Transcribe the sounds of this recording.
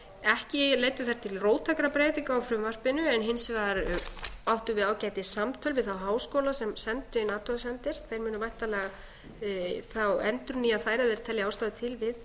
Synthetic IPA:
ɛhcɪleːjt̪ʏθaj̥ɾ̥t̪ʰɪlroːwt̪ʰakɾapɾeːjt̪ɪŋkaawfɾʏmvar̥pɪnʏɛnɦɪnsvaɾawht̪ʏvɪðaːwcajt̪ɪsamt̪ʰœlvɪðθawɦaːwskowlasɛmsɛnt̪ʏɪnaːt̪ʰɔðsɛnt̪ɪɾ̥θejɾmʏːnʏvajht̪alɛɣa | θawɛnt̪ɾʏnːiaθaːjɾaðɛɾ̥t̪ʰɛlːjɪaːwst̪aːðʏt̪ʰɪlvɪð

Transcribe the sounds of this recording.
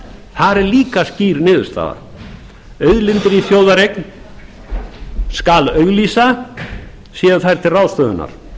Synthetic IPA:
θaðɛɾliːkasciːɾnɪːðʏ̥st̪a̰ːða̰ɾ̥ | œɥðlɪnt̪ɪɾifjoːwðaɾejkn | skalœɣliːsa | sjɛːðʏθajɾ̥t̪ʰɪlrawðst̪œːðʏna̰ɾ̥

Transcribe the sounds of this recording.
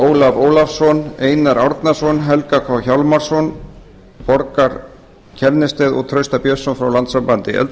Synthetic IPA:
oːwlavoːwlafsɔneːjnaɾawɾt̪nasɔnɦɛlkakʰvawçawlmaɾ̥sɔn | pɔɾkaɾ | cʰɛɾnɪst̪ɪðɔ̰ɣt̪ʰɾœɥst̪apjœsɔnfɾawlant̪sampant̪ɪʔœ̰lt̪

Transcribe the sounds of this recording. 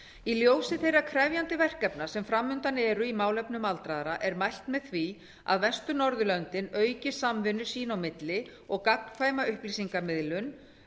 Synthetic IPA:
iljoːwsɪθejrakʰɾɛvjant̪ɪvɛr̥kɛpnḁsɛmfɾamːʏnt̪anɛːɾʏimaːwlɛpnʏmalt̪ɾaːðɾaʔɛɾmajl̥t̪mɛðθvi | a̰ðvɛnst̪ʏnɔɾðʏlœnt̪ɪnœːɥcɪ̥samvɪnːʏɾ̥siːnawmɪt̪lɪɔɣkak̚nfaːjmaʏhplisiŋkamɪðlʏn

